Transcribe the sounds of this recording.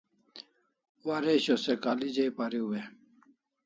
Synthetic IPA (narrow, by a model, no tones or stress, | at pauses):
waɾeɕosekalid͡ʑejpaɾiuwe